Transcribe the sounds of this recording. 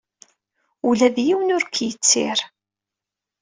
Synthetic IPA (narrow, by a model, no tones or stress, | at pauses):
ulæðjiwənʊɾkjət͡sːɪ̰ɾ